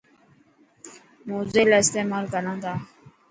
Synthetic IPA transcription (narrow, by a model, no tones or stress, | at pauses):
moːzeːlaːɪst̪eːmaːlkənãːd̪aː